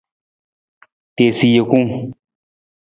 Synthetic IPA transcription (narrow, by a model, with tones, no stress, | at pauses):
t̪e˨si˨je˨ku˦ŋ